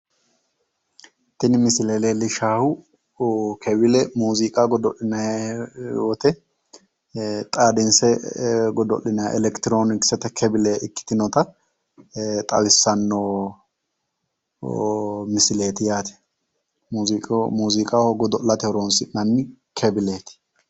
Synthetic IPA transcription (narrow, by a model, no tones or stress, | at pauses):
t̪ɪnɪmɪsɪleːleːlɪʃaːhʊ | kʰɛbɪlɛmuːzikʼaɡɔd̪ɔʔɪnɐ | wɔt̪ɛ | t̪ʼaːd̪ɪnsɛɡɔd̪ɔ̰ʔɪnɐɛ̰lɛkt̪ɪɾoːnɪksɛt̪ɛkʰɛbɪleɪkːɪ̥t̪ɪnɔt̪ɐ | t̪ʼɐ̰wɪsːɐnːoː | mɪsɪleːt̪ɪjaːt̪ɛ̥ | muːzɪkʼmuːzɪkʼahɔɡɔd̪ɔlɐt̪ɛɾonsɪnɐnːɪkʰɛbɪleːt̪ɪ̥